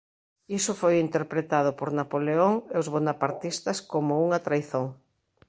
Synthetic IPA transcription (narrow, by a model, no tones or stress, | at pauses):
isʊfojint̪eɾpɾet̪aðʊpoɾnapoleoŋeozβonapaɾt̪ist̪ɐskomʊuŋat̪ɾajθoŋ